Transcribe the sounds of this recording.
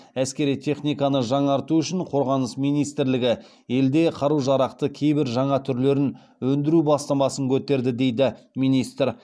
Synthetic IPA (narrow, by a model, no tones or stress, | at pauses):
æskʲe̞ɾijt̪ʰe̞χnijkɑnəʒɑɴɑɾt̪uʏʃɪɴqʰo̞ɾʁɑnəsmijnijst̪ɪɾlɪɡʲɪ | je̞ld̪e̞qʰɑɾuʒɑɾɑqt̪əkʲʰe̞jbɪɾʒɑɴɑt̪ʰʏɾle̞ɾɪn | wɵnd̪ɪɾubɑst̪ɑmɑsəŋkʲʰɵt̪e̞ɾd̪ɪd̪e̞jd̪ɪ | mijnijst̪ɾ